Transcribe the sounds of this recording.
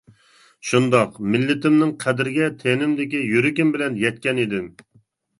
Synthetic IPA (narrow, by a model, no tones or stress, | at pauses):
ʃund̪ɑqmɪlːɪt̪ɪmnɪŋqʰæd̪ɪɾɪɡʲɛt̪ʰenɪmd̪ɪkʲijyɾɪkʲɪmbɪlɛnjɛt̪̚kʲɛnid̪ɪm